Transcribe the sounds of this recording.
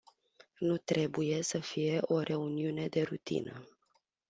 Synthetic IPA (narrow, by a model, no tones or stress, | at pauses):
nut̪ɾe̞buje̞səfije̞ʔo̞ɾʔe̞uniune̞d̪e̞ɾut̪ḭnə̰